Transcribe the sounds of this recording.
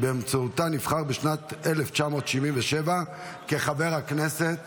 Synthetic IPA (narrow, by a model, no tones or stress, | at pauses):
beːmt͡soutanifχaʁbeʃnat̪eleft͡ʃamo̞tʃivinveʃeva | ke̞χabe̞ʁhaknese̞t̪